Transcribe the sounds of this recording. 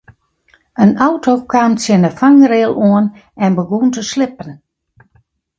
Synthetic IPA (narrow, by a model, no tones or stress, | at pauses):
ənawtʰokʰaːmsjɪnəfaŋɾɪəlˠoən | ɛnbəɡuntəslɪpən